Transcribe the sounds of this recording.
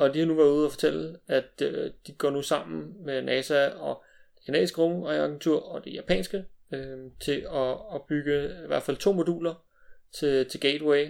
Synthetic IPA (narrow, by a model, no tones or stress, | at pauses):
ɒ̽d̥ihɑ̈nuʋæɐuðˠæfɒ̥̽t͡sʰel̰æd̥ød̥iɡ̥ɒ̰ːnusɑ̈m̰n̩menʔɛsæɒ̽ | d̥e̥kʰænɛ̰ðˠsɡ̥əʁɔŋɑɪɑɡ̥nt͡sʰuɐ̰ɒ̽d̥e̝jæpʰɛ̰ːnsɡ̥əøt͡sʰe̝ɒɒb̥yɡ̥əiʋæɐ̰d̥fæl̰t͡sʰo̝̰ːmo̝d̥ṵːlɐ | t͡sʰe̝t͡sʰe̝lɡ̥ed̥weɪ